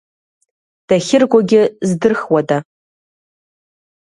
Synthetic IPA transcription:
d̥aχʲɪrɡʷaɡʲɪzdɨrχwada

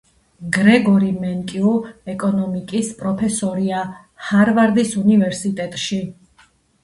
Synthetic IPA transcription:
ɡɾɛɡɔɾimɛnkʼiuɛkʼɔnɔmikʼispʼɾɔpʰɛsɔɾia | haɾvaɾd̪isunivɛɾsit̪ʼɛt̪ʼʃi

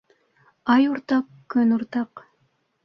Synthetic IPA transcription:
ɑjuɾt̪ɑq | kɵnuɾt̪ɑq

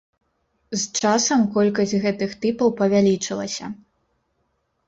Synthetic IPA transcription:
zt͡ʂasɐmkɔlʲkɐsʲtʲɣɛt̪ɨxt̪ɨpɐwpɐvʲalʲit͡ʂɨlˠɐsʲɐ̰

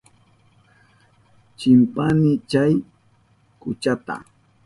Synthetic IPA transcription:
t͡ʃɪmpanɪt͡ʃaj | kʊt͡ʃat̪a̰

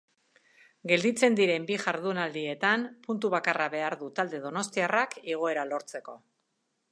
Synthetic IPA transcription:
ɡe̞ld̪it͡se̞nd̪iɾe̞mbiʝaɾðunald̪ie̞t̪anpunt̪uβakaraβe̞aɾðut̪ald̪e̞ðo̞no̞st̪iarakeɣ̞o̞e̞ɾalo̞ɾt͡se̞ko̞

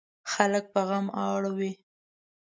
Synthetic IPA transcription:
xalək̚pəɣamɑɽwi

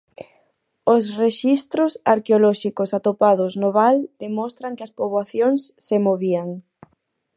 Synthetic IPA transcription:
ʊsreʃist̪ɾʊsaɾkeolɔʃikosat̪opaðʊznoβald̪̥emɔst̪ɾɐŋkɪɐspoβwaθjoŋsːemoβiaŋ

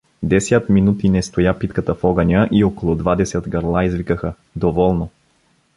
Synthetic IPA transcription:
d̪ɛsʲjət̪minut̪inɛst̪ojapit̪kət̪əfɔɡənʲəʔiɔkolˠɔd̪vad̪ɛsət̪ɡɐɾlˠaizvikəxə | d̪ovɔlˠno

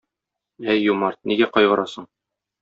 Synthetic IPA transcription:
æjːumɑɾt̪̚niɡæqɒjʁɤ̆ɾʔɑsɤɴ

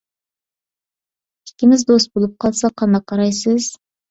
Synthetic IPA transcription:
ɪ̥kʲɪmɪzd̪ost̪̚bolˠup̚qʰɑlˠsɑqʰɑnd̪ɑqʰːɑɾɑjsɨz̥

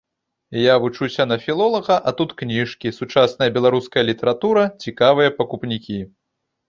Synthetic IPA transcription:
javut͡ʂusʲɐnɐfʲilˠɔlˠɐɣɐʔat̪ut̪knʲiʂkʲisut͡ʂasnɐjɐbʲɛlˠaɾuskɐjɐlʲit̪ɛɾat̪uɾɐt͡sʲikavɨjɐpɐkupnʲikʲi

